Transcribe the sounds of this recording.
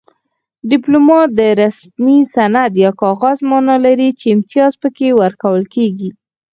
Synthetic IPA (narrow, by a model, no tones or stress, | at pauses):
ɖɪplumɑt̪̚d̪əɾasmisanad̪jɑkɑɣɑzmɑnɑlaɾit͡ʃeɪmt̪ijɑzpəkewəɾkawəlkeɡi